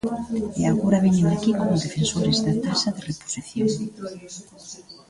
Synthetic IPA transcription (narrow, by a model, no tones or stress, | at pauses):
eaɣoɾaβiɲeŋakikomʊðefensoɾɪzðat̪asɐðɪrepo̥siθjoŋ